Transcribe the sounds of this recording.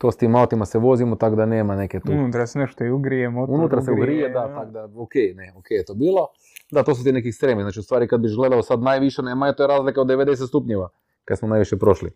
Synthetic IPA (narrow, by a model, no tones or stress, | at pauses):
t̪oːst̪imaot̪imasɛʋo̞zimot̪aɡd̪aneːmaneket̪uunut̪ɾasneʃt̪oiuɡɾijemunut̪ɾaseuɡɾijed̪at̪aɡd̪aokejneokejet̪oːbiːlˠo | d̪at̪o̞ːsut̪inekist̪ɾemiznaːt͡ʃiust̪ʋaːɾikad̪̚biʒɡle̞d̪aosad̪najʋiʃeneːmajet̪ojeɾaːzlikaod̪eʋed̪es̬et̪st̪upɲeʋa | kad̪smonajʋiʃjepɾo̞ʃlḭ